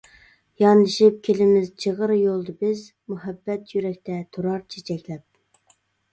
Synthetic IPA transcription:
jɑnd̪ɨʃip̚kʲʰelɪmɪzt͡ʃʰeʁəɾjolˠd̪ɨbɪz | muɦɛbːɛt̪jyɾɛk̚ʲt̪ʰɛt̪ʰuɾɑɾt͡ʃʰet͡ʃʰɛkʲlɛp̚

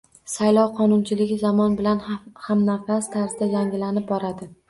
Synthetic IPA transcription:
sajlˠɒwqʰɒnʊnt͡ʃʰɪlɪɡʲɪzɒmɒnbɪlanhamnafast̪ʰaɾzɪd̪ad͡ʒaŋɪlanɪp̚bɒɾad̪ɪ

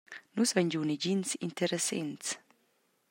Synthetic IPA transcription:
nusvɛɲd͡ʒunid͡ʒinsḭnt̪eɾesḛnt̪s

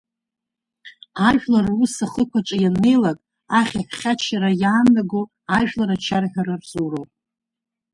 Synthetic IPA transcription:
aʒʷᶣlarusaχəkʷʰaʈ͡ʂʷʼajanːe̞jlakʼ | aχʲaħχʲat͡ʃʰaɾajaːnːaɡo | aʒᶣlaɾat͡ʃʰarħᶣaɾarzurowʼ

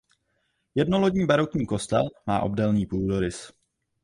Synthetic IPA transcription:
jɛdno̞loɟɲiːbaɾokɲiːko̞st̪ɛlma̰ːʔo̞̰bdɛlniːpuːldoɾɪs

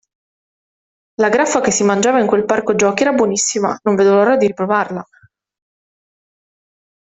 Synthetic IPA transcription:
laɡɾafːakesːimand͡ʒaːvaiŋkwelparkod͡ʒɔːkɛːɾabwonisːima̰noɱved̪oloɾɔd̪iɾipɾovarla

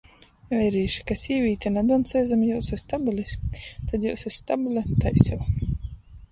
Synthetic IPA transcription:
ɛjɾiːʃi̥kasiːvʲiːt̪ʲanad̪ɔnsɛjzamjawsust̪abulʲisʲt̪ad̪jɛwsusːt̪abulʲat̪ajsʲɛw

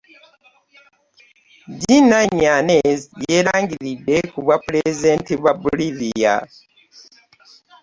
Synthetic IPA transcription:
ɟinaɲːanezjeːɾaːŋɡiɾidːe̞kuβwapɾezdeːntiβwabulivija̰

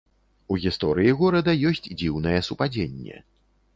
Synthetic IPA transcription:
uɣʲist̪ɔɾɨjiɣɔɾɐd̪ɐjɔsʲt͡sʲd͡zʲiwn̪ɐjɛsupad͡zʲenʲːɛ̰

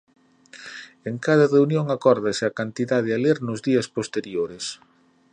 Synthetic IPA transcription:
eŋkaðɐreunjoŋakɔɾðɐsɪakant̪iðaðɪaleɾnʊzðiɐspost̪eɾjoɾes

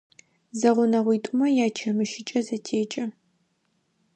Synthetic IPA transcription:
zɐʁʷʊnɐʁʷiːtʼʊmɐjaːt͡ʃʰɐmɨʃɪt͡ʃʼɐzɐtʰeːt͡ʃʼɐ

